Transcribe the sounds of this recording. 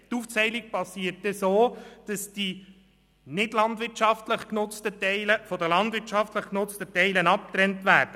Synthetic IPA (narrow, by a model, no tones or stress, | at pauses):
tuft͡sɛɪlik̚pɑsiːəɾtdɛsoːd̥ɑsd̥i | nɪdlɑndʋɪɾt͡ʃɑftləχknʊt͡stətɛɪləfɔdəlɑndʋɪɾt͡ʃɑftləχknʊt͡stətɛɪlənɑp̚tɾɛntʋæːɾd̥ə